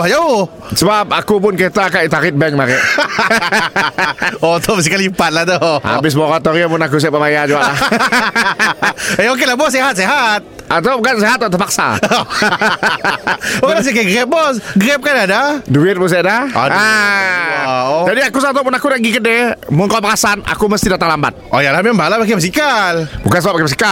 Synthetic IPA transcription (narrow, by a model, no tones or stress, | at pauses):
jao | səbap̚akup̬ʊnket̪akaʔit̪aɾɪt̪̚bɛŋmaɾɛʔ | ot̪ʰɔbsikalipat̪̚laht̪ɔʔa̰bɪs̬moɾat̪oɾiapʊnak̬us̬eapəmajad͡ʒuaʔlah | eok̬elahbɔs̬eɦat̪̚seɦat̪̚ | at̪akanseɦat̪ːat̪ərpak̚sa̰ | okelas̬ikaɡɾɛp̚bɔsɡɾɛp̚kanadaduɪt̪̚bus̬iadaa̰a | d͡ʒadiakus̬at̪ɔpʊnakunaʔɡikədɛmʊnkapakasana̰kuməst̪idat̪aŋlamba̰t̪̚o̰jalamɛmbalapak̬ebəs̬ikalbukansəbapakepəs̬i̥ka